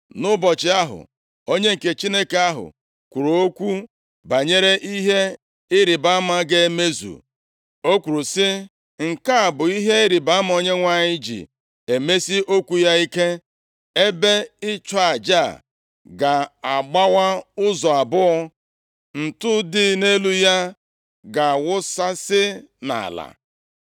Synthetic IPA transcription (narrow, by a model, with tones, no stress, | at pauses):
nʊ˦bɔ˨t͡ʃɪ˨a˦ɦʊ̰˨ | o˦ɲe˦ŋ̩˨ke˨t͡ʃi˦ne˦ke˨a˦ɦʊ̰˨ | kʷu˨ɾu˨o˦kʷu˦ | ba˨ɲe˦ɾe˦ʔi˦ɦe˦ | ɪ˦ɾi˨ba˦a˦ma˦ɡe˦me˦zṵ˨ | o˦kʷu˨ɾu˨sɪ˦ | ŋ̩˨ka˦˨bʊ˨i˦ɦe˦ɪ˦ɾi˨ba˨a˦ma˦o˦ɲe˦ŋʷa˦ɲɪ˦d͡ʒḭ˨ | e˨me˦si˦ʔo˦kʷu˨ja˦i˦ke˦ | e˦be˦ɪ˦t͡ʃa˦˨a˨d͡ʒa˦˨ | ɡa˨a˨ɡ͡ba˦wa˦ʊ˦zɔ˨a˨bʊ˦ɔ˦ | n̩˨tʊ˦dɪ˦ne˦lu˦ja˦ | ɡa˨wʊ˦sa˦sɪ˦na̰˨la̰˨